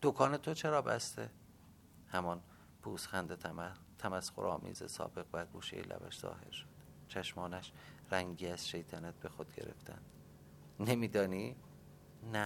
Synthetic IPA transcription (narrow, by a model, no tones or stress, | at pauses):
d̪̥okʰɒːne̞t̪ʰo̞t͡ʃʰe̞ɾɒːbæ̰st̪e̞ | hæmɒn | pʰuːsxænd̪e | t̪ʰæmæsxoɾɒːmḭːzesɒ̰ːbe̞ɣvæɡuːʃejḛlʔæ̰væ̰ʃz̥ɒ̰ːhe̞̰ɾʃo̥d̪̥ | t͡ʃʰæʃmɒːnæʃ | ræŋɟiːæz̥ʃe̞jt̪ʰænæt̪̚be̞xod̪̥̚ɡe̞̰ɾe̞̰ft̪ʰæ̰nd̪̥ | nemiːd̪ɒːniː | næ